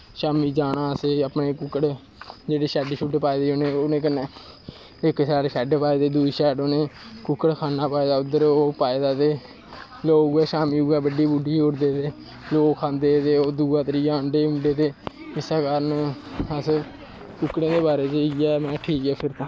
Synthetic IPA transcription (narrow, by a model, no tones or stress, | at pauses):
ʃaːmiːd͡ʒaːɽaːəseːəpneːkʊkːəɽ | d͡ʒeːɽeːʃɛːɖʃuʈpaːeːd̪eːoːnẽːoːnẽːk̬əneː | ɪkʃɛːɖʃɛːɖpaːed̪eːd̪uiːʃɛːɖoːnẽːkʊkːəɽkʰaːnaːpaːeːd̪aːʊd̪əɾoːpaːeːd̪aːt̪eː | loːɡɛːʃaːmiːuːɛːbəɖiːbuɖiːʊɽd̪eːt̪eː | loːɡkʰãːnd̪eːt̪eːoːd̪uːaːt̪əɾiːjaːʊɳɖeːʊɳɖeːt̪eː | ɪsaːkəɾən | əs | kʊkːɽẽːd̪eːbaːɾeːd͡ʒəɛːmɛ̃ːʈʰiːkɛːpʰɪɾt̪ãː